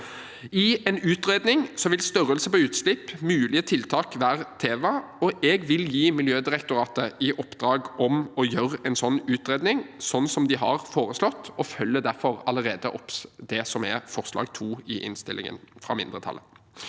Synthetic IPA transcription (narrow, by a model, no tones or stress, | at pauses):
ɪɛnʉːt̪ɾeːd̪nɪŋsɔʋɪlst̪œɾəlsəpɔʉːt̪slɪpːmʉːlɪət̪ʰɪlt̪ʰɑːkʋæːʁt̪ʰeːʋɑɔɛɡʋɪljiːmɪljøːd̪ɪʁɛkt̪ʊɾɑːt̪əɪʔɔpd̪ɾɑːɡɔmɔjøːʁəɛnsɔnːʉːt̪ʁeːd̪nɪŋsɔnːsɔmd̪ɪɦɑ̰ʁfoːʁəslɔt̪ːɔfœlːəd̪æɾfɔʁɑləʁeːd̪əʔɔpd̪ɛsɔmɛfɔʁslɑ̰ːɡt̪ʰuːɪʔɪ̰nst̪ɪlɪ̰ŋə̰nfʁɑ̰mɪ̰nd̪ʁət̪ʰɑ̰lːə̰n